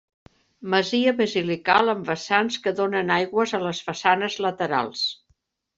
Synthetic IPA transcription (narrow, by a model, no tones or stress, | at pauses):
məziəβəzilikalˠəmbəsanskəðonənajɣwəzələzfəsanəzlət̪əɾa̰lˠs